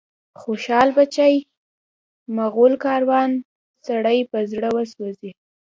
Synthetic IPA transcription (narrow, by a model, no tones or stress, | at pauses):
xoʃɑlbat͡ʃaj | maɣolkɑɾwɑn | saɽəjpəzɽəwəswozi